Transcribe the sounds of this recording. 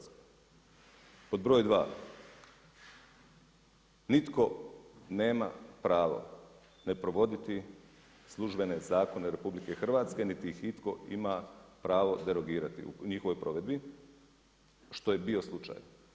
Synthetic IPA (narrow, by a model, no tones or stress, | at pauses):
k | po̞d̪bɾo̞ːjd̪ʋaː | nit̪ko̞ne̞ːma̰pɾaːʋo̞̰ | ne̞pɾo̞ʋo̞d̪it̪i | slˠuʒbe̞ne̞zaːko̞neɾe̞publike̞xr̩ʋaːt̪ske̞nit̪iixit̪ko̞imapɾaːʋo̞d̪e̞ɾo̞ɡiːɾat̪ḭṵɲixoʋo̞jpɾo̞ʋe̞d̪̚bi | ʃt̪o̞jebio̞slˠut͡ʃa̰ːj